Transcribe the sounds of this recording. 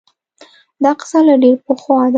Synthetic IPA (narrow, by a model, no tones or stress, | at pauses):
d̪ɑqɪ̥salaɖeɾpəxwɑd̪